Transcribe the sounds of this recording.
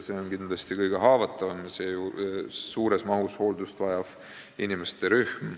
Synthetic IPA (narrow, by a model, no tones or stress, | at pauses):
se̞ːonkind̪̥lɑst̪ikɤjɡ̥e̞ɦɑːvɑt̪ːˑɑvɑmse̞jusuːɾe̞smɑɦusho̞ːld̪ust̪vɑjɑv̥ | inimest̪e̞ɾyhm